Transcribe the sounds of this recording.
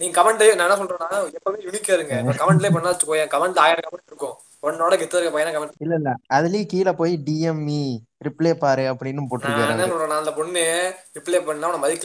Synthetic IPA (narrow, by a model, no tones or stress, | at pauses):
nĩːŋɡɐkɐmɐɳɖnãːɛnːaːsɔlɾẽːnãːɛpːɐmeːjʊnikːɐɾɯŋɡɐãkɐmɐɳɖleːp̬ɔɳːaːt͡ʃːɯkːoːjãkɐmɐɳɖaːjɐɽɐkɐmɐɳɖɾɯkːʊ̃ | pɔɳːoːɽɐkɪt̪ːɐɐɾkːɐpoːjeːnãːkɐmɐɳɪlːɐɪlːɐɐðɪleːkiːlɐpoːjiɖiːɛmi | ɾɪpɭeːpaːɾɯɐpːɐɽɪnːɯpoːʈːɯɾɯkkːaːɾãːnːɐ̃ssɔlɾẽːnãːɐnd̪ɐpɔɳːɾɪpːleːpɐɳnaːɐnɐ̃mɐðɪkː